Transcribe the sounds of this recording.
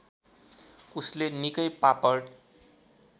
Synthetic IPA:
uslenikʌjpapʌr

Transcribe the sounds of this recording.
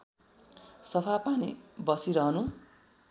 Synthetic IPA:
sʌpʰapanḭbʌsiɾʌɦʌnu

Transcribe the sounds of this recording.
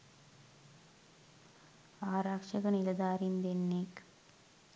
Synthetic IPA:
aːɾaːkʂɐkɐnilɐd̪aːɾind̪enːek

